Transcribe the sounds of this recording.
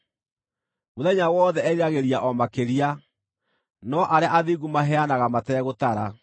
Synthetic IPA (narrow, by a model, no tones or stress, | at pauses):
moðɛɲawɔːðɛɛaɣeɾiaʔɔmakeɾia | nɔʔaɾeaʔaðiɣumaɦɛanaɣamatɛːɣotaɾa